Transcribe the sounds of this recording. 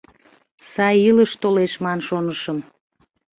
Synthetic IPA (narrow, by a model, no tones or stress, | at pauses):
sɑjiləʃt̪oleʃmɑnʃonəʃəm